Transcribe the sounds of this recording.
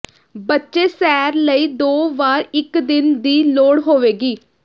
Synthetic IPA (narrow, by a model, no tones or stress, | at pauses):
bətːʃeːsɛːɾləiːd̪oːʋaːɾɪkd̪ɪnd̪iːloːɽɦoːʋeːɡiː